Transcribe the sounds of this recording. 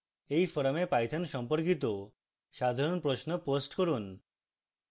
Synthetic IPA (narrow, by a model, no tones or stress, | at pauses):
ejfɔɾamepajt̪ʰanʃɔmpoɾkit̪̬o | ʃad̪ʱaɾonpɾosnoposʈkoɾun